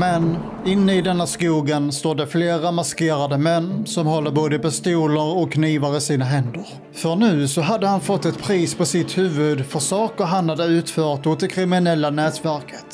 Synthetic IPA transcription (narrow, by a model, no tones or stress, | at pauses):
mɛn | ɪnːəɪd̪ɛnːaskuːɡənst̪oːɖɛfleːɾamaskeːɾad̪əmœnːsɔmɦɔlːəɾboːd̪əpɛst̪uːləɾɔkʰːniːvaɾəsiːnaɦɛnd̪əɾ | fœɳʉ̟ːsɔɦad̪ːəhanfɔt̪ːɛt̪pʰɾiːspʰɔsɪt̪hʉ̟ːvɵd̪fœɾʂɑːkəɾɦanhad̪əʉ̟ːt̪fœːɾt̪ʊt̪ːɪkʰɾɪmɪnɛlːanɛːt̪væɾkʰə̥t̪